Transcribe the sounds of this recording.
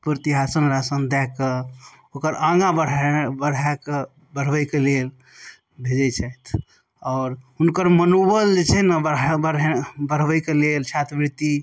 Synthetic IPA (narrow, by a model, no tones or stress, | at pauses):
pɾət̪iɦasənɾasənd̪ɛke | okəɾãɡãbəɽbəɽ̤ak | bəɽ̤ʋəjkelel | bʱed͡ʒɛt͡ʃʰaet̪ʰ | ɔːɾɦunkəɾmənubəld͡ʒet͡ʃʰɛnəbəəɾbəɽ̤ʋəjkelelt͡ʃʰat̪bɾit̪i